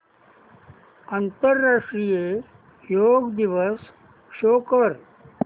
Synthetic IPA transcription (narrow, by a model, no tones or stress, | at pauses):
ant̪əɾːaːʂʈɾije | joːɡd̪iʋəs | ʃoːkəɾ